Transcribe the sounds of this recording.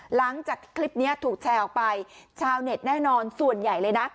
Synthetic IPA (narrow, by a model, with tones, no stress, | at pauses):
la˩˦ŋt͡ɕaː˨˩kkʰːli˦˥p̚ni˦˥ɐt̪ʰuː˨˩k̚t͡ɕʰɛː˧wpa˧jt͡ɕʰaː˧wne˨˩t̪̚nɛː˥˩nɔː˧nsu˨˩ənja˨˩jlɤː˧jna˦˥